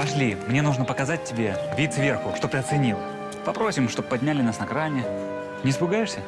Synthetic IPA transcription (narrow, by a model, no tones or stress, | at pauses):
pɐʂlʲimnʲe̞nuʐnəpəkɐzat̚ʲtʲːɪbʲe̞vʲit̪svʲe̞rxʊʂt̪ot̪ɨɐt̪sɨnʲilˠ | pɐpɾo̞sʲɪmʂt̪o̞b̚pɐdʲnʲalʲɪnasnɐkɾanʲɪ | nʲɪspʊɡajɪʂsʲə